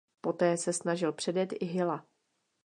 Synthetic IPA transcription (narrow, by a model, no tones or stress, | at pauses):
po̞t̪ɛːsɛsnaʒɪlpr̥ɛdjɛt̪ɪɦɪla